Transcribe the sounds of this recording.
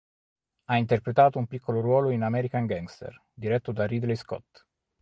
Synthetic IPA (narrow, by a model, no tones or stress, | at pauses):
aint̪erpɾet̪aːt̪oumpikːoloɾwɔːloinamɛːɾikaŋɡaŋɡst̪ḛr | d̪iɾɛt̪ːod̪aɾid̪lejskɔ̰t̪ː